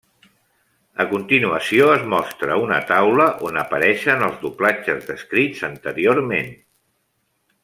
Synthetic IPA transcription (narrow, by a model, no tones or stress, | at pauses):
əkunt̪inuəsioəzmɔst̪ɾəunə̰t̪awləʔonəpəɾɛʃənəlˠzðuplat͡ʃəzðəskɾid͡zənt̪əɾioɾmen